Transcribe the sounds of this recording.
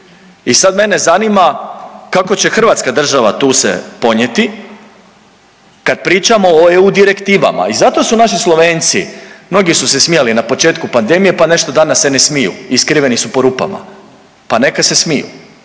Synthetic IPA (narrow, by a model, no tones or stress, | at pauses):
isad̪me̞ne̞zanimakako̞t͡ɕe̞xr̩ʋat̪skad̪r̩ʒaʋat̪uːsḛpo̞ɲje̞t̪i | kad̪̥̚pɾiːt͡ʃamo̞oeud̪iɾe̞kt̪iːʋa̰ma̰izat̪o̞sunaʃislˠo̞ʋe̞ːnt̪simno̞ɡisuse̞smijalinapo̞t͡ʃe̞ːt̪̚kupand̪e̞mije̞pane̞ʃt̪o̞d̪anasːene̞smijṵiskɾiʋe̞nisupo̞ɾuːpa̰ma̰ | pane̞kad̪se̞smijṵ